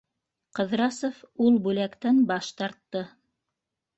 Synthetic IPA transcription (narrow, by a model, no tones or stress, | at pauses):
qɤ̆ðɾɑsofulˠbʉlækt̪ænbɑʃt̪ɑɾt̪ːɤ